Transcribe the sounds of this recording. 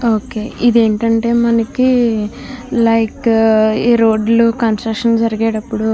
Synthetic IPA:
oːke̞ːʔid̪e̞ːɳʈɐɳʈe̞ːmɐnɐki | lɐjkeːɾo̞ːɖlukɐnsʈɾɐkʂɐnd͡ʒɐɾiɡe̞ːʈɐpːuɽu

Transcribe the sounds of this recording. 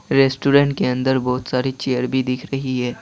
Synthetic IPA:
ɾeːsʈuːɾɛ̃ːɳʈkeɐ̃nd̪əɾbɔːt̪saːɾit͡ʃeːəɾbʱid̪ɪkʰɾɐɦiɦɛː

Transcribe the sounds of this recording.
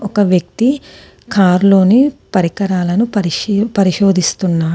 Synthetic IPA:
ɔkɐʋjɐk̚t̪i | kʰaːɾlo̞ːnipɐɾikɐɾaːlɐnupɐɾipɐɾiʃoːd̪ist̪unːaː

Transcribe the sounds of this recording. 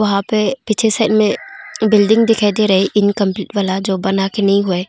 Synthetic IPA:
ʋɐɦãpepit͡ʃʰesaːɪʈmẽbɪlɖɪ̃ŋɡd̪ɪkʰad̪eɾɐɦeʔɪnkɐ̃mpliːʈʋalad͡ʒoːbɐnakenɐɦĩɦʊeː

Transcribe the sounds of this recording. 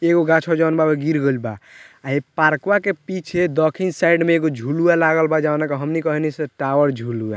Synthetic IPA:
eɡoɡat͡ʃʰɔd͡ʒanbabeɡiɾɡəlba̰aipaɾkwakepit͡ʃʰed̪ɔkʰinsaiɖmeːɡod͡ʒʱulualaɡəlbad͡ʒawnakeɦəmnikɔɦniseʈawəɾd͡ʒʱulua̰

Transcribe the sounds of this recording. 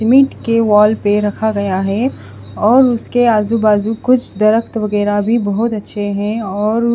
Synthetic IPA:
ɪmɪʈkeʋaːlpeɾɐkʰaɡɐjaɦɛ | ɔːɾʊskeaːzubaːzukʊt͡ʃʰd̪ɐɾəkʰt̪ʋɐɣɛːɾabʱibɐɦʊt̪ɐtːʃʰeɦɛ̃ɔːɾ

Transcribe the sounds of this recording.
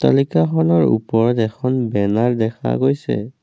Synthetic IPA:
ta̰likaxʰɔnɔɹṵpɔɹɔtɛkʰɔnbɛnaɹdɛkʰa̰ɡojsɛ̰

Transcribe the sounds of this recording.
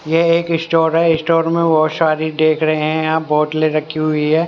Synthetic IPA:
jeeːkɪsʈoːɾɦɛɪsʈoːɾmẽʋoʃaːɾid̪eːkʰɾɐɦeɦɛ̃jãːbɔːʈ̪leɾɐkʰːiɦʊiɦɛː

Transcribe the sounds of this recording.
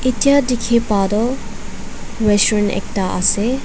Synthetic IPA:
itjadikʰepadɔ | ɹesenɛ̰k̚ʈaʔa̰se

